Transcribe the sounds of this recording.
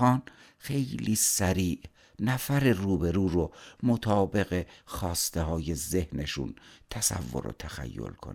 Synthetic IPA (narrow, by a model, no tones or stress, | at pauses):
ɒːn | xe̞jliːsæɾiːʔ | næfæɾeruːbe̞ɾuːɾomot̪ʰɒːbe̞ɣe̞xɒːst̪e̞hɒːje̞ze̞hne̞ʃṵnt̪ʰæsæ̰vːo̞̰ɾo̰t̪ʰæxæ̰jːo̰lkʰon